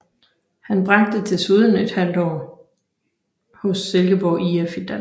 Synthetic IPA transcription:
hænb̥ʁɑ̈ɡ̥̚d̥ət͡sʰe̝lsyð̞ˠən̩e̝d̥hæl̰d̥ɒʊ | hɔ̽sːelɡ̥əb̥ɒʊ̰iefid̥æn

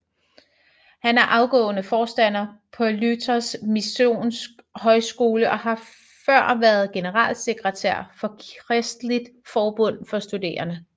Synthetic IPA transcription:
hænæɐʔɑ̈ʊɡ̥ɔ̰̽ːnəfɒːsd̥æn̰ɐpʰɒ̽lyt͡sʰɐsmiso̝̰ːnsɡ̥ɦɒ̽ɪsɡ̥o̝ːləʔɒ̽hɑ̈ | fɶɐ̰ʋæɐð̩ˠɡ̥e̝nəʁɑ̰̈ːlse̝ɡ̥ʁət͡sʰæɐ̰fɒ̽kʁɛsd̥lid̥fɒːb̥ɔ̽n̰fɒ̽sd̥ud̥e̝̰ːɐnə

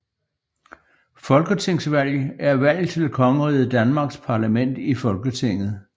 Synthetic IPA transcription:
fɒ̽lɡ̥ət͡sʰe̝ŋ̰sʋæl̰æɐʋæl̰t͡sʰe̝ld̥ekʰɒ̽ŋəʁiːð̩ˠd̥ænmɑ̈ːɡ̥spʰɑ̈læmen̰d̥ifɒ̽lɡ̥ət͡sʰe̝ŋ̰ð̩ˠ

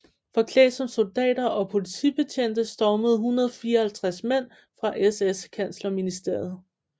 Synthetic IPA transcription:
fɒ̽kʰlɛ̰ːsɒ̽mso̝ld̥ɛ̰ːd̥ɐʔɒ̽pʰo̝lit͡sʰḭːb̥e̝t͡sʰen̰d̥əsd̥ɒʊməð̞̩ˠɦunʁɐð̞ˠɒ̽fiːɐɒhælt͡sʰʁasmen̰ | fʁɑ̈ʔeseskʰæn̰slɐminisd̥e̝ɐ̰ð̩ˠ

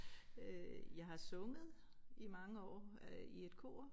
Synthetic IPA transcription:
jɑ̈ɪɦɑ̈sɔ̽ŋəð̩ˠ | imɑ̈ŋəɒ̰ːie̝d̥̚kʰo̝̰ː

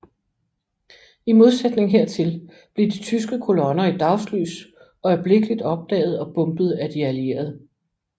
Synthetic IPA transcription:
imo̝ð̞ˠsed̥ne̝ŋɦe̝ɐ̰t͡sʰe̝l | b̥leɐd̥it͡sʰys̬ɡ̥əkʰo̝lɒ̽nɐid̥ɑ̈ʊsly̰ːs | ɒɪb̥le̝ɡ̥əlid̥ɒ̽b̥̚d̥ɛ̰ːð̞̩ˠɒ̽b̥ɔ̽mb̥ð̩ˠæd̥iælie̝̰ːɐð̞ˠ

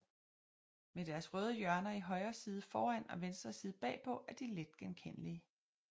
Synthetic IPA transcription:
med̥æɐsʁœːð̞ˠəjɶɐnɐiɦɒ̽ɪɐːsiːð̞ˠəfɒːæn̰ɒ̽ʋensd̥ʁɐsiːð̞̩ˠb̥ɛ̰ːpʰɒ̽ʔæɐd̥iled̥ɡ̥emkʰen̰əliə

